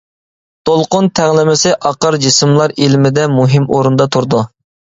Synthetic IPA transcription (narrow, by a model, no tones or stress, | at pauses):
t̪ʰolˠqʊnt̪ʰæʁlˠɪmɪsɪʔɑqəɾd͡ʒismlˠɑɾilmɪd̪ɛmuɦɪmoɾund̪ɑt̪ʰuɾd̪u